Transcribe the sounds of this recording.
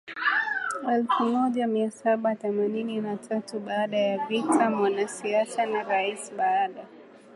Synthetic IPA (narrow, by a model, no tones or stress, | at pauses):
ɛlfumɔʄamiasaɓaθɛmanininatʰatuɓaːɗajavitʰamwanasiasanaɾaisɓaːɗa